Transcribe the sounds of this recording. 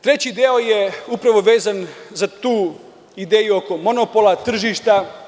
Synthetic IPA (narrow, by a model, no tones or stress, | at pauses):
t̪ɾe̞t͡ɕid̪eojeupɾaʋo̞ʋe̞ːzanzat̪uː | id̪eːjuo̞ko̞mo̞nopolˠat̪r̩ʒiʃt̪a